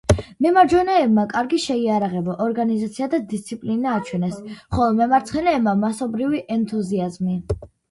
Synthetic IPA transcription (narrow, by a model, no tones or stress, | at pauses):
mɛmaɾd͡ʒɔnɛːbmakʼaɾɡiʃɛiaɾaʁɛbɔʔɔɾɡanizat̪sʰiad̪ad̪ist̪sʰipʼlinaːt͡ʃʰwɛnɛsχɔlˠɔmɛmaɾt̪sʰχɛnɛːbmamasɔbɾiviʔɛnt̪ʰʼuziazmi